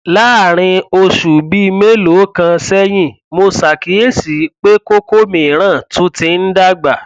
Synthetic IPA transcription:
la˨˦a˦˨ɾ̃ĩ˧o˧ʃu˨bi˦˧me˦lo˨˦kã˧sɛ˦j̃ĩ˦˨ | mo˧sa˨ki˨˦e˦si˨˦k͡pe˦ko˦ko˦mĩ˨ɾ̃ãː˦˨tũ˦tĩ˧n̩˦da˦ɡ͡ba˨

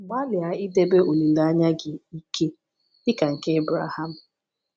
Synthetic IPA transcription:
ɡ͡ba˦lɪ˨a˨ɪ˦de˦be˦o˨li˨la˨a˦ɲa˦ɡɪ˨i˦kʰe˦ | dɪ˦ka˨ŋ̩˨ke˦e˦bɾa̰˨ha˦m̩˨

